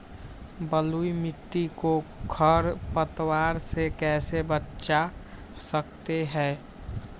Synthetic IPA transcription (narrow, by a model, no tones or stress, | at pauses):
bəluimɪʈ̪ːikokʰəɾpət̪waɾsekɛːsebətːʃa | səkt̪eɦɛː